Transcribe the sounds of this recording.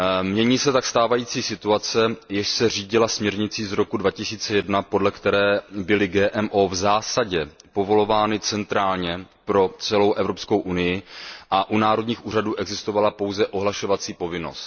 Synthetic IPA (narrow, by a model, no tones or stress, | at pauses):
mɲɛɲiːsɛt̪akst̪aːvajiːt͡siːsɪt̪uat͡sɛjɛʃsɛr̝iːɟɪlasmɲɛɾɲɪt͡siːzɾo̞kudvacɪsiːt͡sɛjɛdnapo̞dlɛkt̪ɛɾɛːbɪlɪɡɛːʔɛmʔo̞ːvzaːsaɟɛ | po̞vo̞lo̞vaːnɪt͡sɛnt̪ɾaːlɲɛ | pɾo̞t͡sɛlo̞wʔɛvɾo̞psko̞wʔunɪjɪʔaʔunaːɾo̞dɲiːxʔuːɾaduːʔɛɡzɪst̪o̞valapo̞wzɛʔo̞ɦlaʃo̞vat͡siːpo̞vɪno̞̰st̪